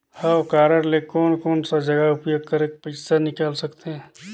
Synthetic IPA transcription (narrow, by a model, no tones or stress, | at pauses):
hakaːɾəɾlekɔːnkɔːnsad͡ʒɐɡaʊpjoːɡ̚kɐɾeːk̚pəɪsanɪkaːlsɐkt̪eɦɛ̃ː